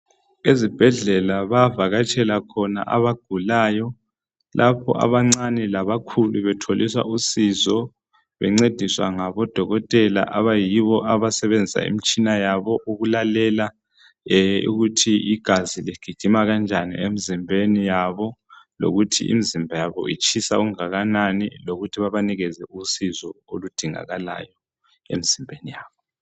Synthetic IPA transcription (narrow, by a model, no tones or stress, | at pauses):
ezib̥ʱɛɮɛlaβavaɣat͡ʃʼʰɛlakʰɔna̰ʔa̰βaɡ̥ʱulaːjɔ | lʔapʰɔ̰ʔa̰βaŋ͡ǀanɛlaβakʰuluβɛtʰoliswa̰usizɔ | βɛŋ͡ǀed̥ʱiswaŋaβɔd̥ʱɔɣɔtʼɛla̰ʔaβajiβɔʔaβasɛβend͡zʱisa̰ḭmit͡ʃʼinajaβɔʔuɣulalɛla | ṵɣutʰiiɡ̥ʱaziliɡ̥ʱiɡ̥ʱimaɣand͡ʒʱanḭemizimbʱenijaβɔlo̰ɣutʰḭʔḭmizimbʱajaβɔ̰it͡ʃʰʼisauŋaɣananḭloɣutʰiβaβaniɣɛzɛusizɔolud̥ʱiŋa̰ɣala̰jɔ | ḛmiz̥imbʱenijaːβɔ